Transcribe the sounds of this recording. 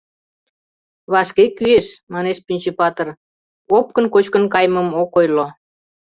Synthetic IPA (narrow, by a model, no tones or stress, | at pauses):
βɑʃkekyeʃmɑneʃpynʲt͡ɕepɑt̪ə̆r | op̚kənkot͡ɕkə̆nkɑjməmokojlo